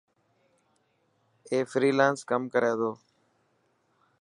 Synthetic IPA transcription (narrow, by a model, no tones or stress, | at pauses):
eːfɾiːlaːnskəmkəɾeːd̪oː